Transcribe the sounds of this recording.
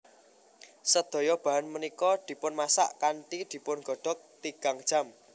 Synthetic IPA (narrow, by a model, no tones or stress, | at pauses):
səd̪̥ɔ̤jɔb̥a̤ɦanmənikɔd̪̥i̤pʊnmasa̰ʔkanʈid̪̥i̤pʊnɡ̥ɔ̤ɖ̥ɔ̤k̚t̪iɡ̥a̤ŋd̥ʒ̥a̤m